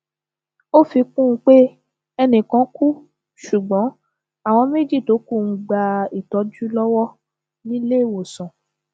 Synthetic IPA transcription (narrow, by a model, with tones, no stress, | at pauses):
o˦fi˧kũ˦˧k͡pe˦ | ɛ˧nĩ˨kã˧˦ku˦ | ʃu˨ɡ͡bɔ̃˨˦ | a˦˨w̃ɔ̃˧me˦d͡ʒi˦˨to˨˦ku˦˨ŋ̩̃˨ɡ͡ba˨˧i˨tɔ˨˦d͡ʒu˦lɔ˦wɔ˦ | nĩ˦le˦i˦˨wo˨sɔ̃˨